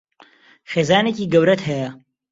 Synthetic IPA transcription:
χeːzaːneciːɡɐwɾɐt̪hɛjɐ

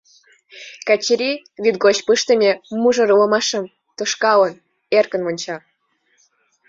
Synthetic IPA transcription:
kɑt͡ɕiɾʲi | βit̪̚ɡot͡ɕpɨʃt̪ə̆nʲemuʒɤ̆ɾulə̆mɑʃə̆m | t̪oʃkɑlən | erkə̆nmŏnʲt͡ɕɑ

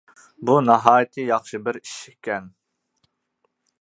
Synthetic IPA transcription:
bunɑɦɑːjɪt̪ʰɨjɑχʃɨbɪɾi̥ʃɪkʲɛn

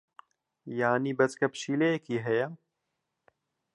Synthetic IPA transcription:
jaːnibɐt͡skɐpʃiːlejekiːɦɛja

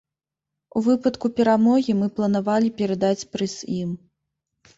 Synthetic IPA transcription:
uvɨpɐt̪kupʲɛɾamɔɣʲimɨplˠɐnavalʲipʲɛɾad̪at͡sʲpɾɨzʲim

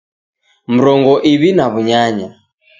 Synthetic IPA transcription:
m̩ɾɔŋɡɔʔiβinaβuɲaɲa

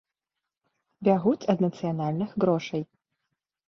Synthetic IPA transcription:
bʲaɣut͡sʲɐd̪nɐt̪sɨjanalʲnɨxɣɾɔʂɐj

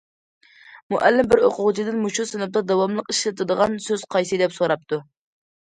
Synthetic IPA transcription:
muʔælːɪmbɪɾhoqʊʁt͡ʃʰid̪ɪnmuʃusɪnɛp̚d̪ɑd̪ɑwɑmlˠəqiʃlɨt̪ʰɨd̪əʁɑnsøz̥qʰɑjsɨd̪ɛpsoɾɑp̚t̪ʰu

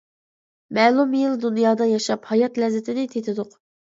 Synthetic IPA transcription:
mɛːlˠumjilˠd̪unjɑːd̪ɑjɑʃɑphɑjɑt̪lɛzːɪt̪ʰɪnɪt̪ʰet̪ʰɪd̪ʊq

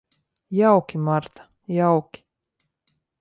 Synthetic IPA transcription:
jawkimaɾt̪ḁ | jawki̥

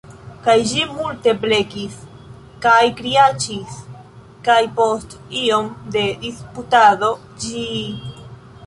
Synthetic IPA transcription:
kajʒimulte̞ple̞kis | kajkɾiat͡ʃis | kajpo̞st | iomd̪e̞d̪isput̪aðo̞ | d͡ʒi

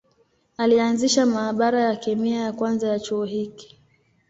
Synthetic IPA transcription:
alianziʃamaːɓaɾajakɛmiajakwanzajat͡ʃuɔɦiki̥

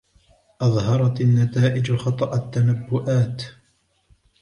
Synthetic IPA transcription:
ʔɑðˤɦɑɾˤɑt̪anːat̪aːʔɪd͡ʒxɑt̪ˤɑʔat̪ːanabːʊʔaːt̪

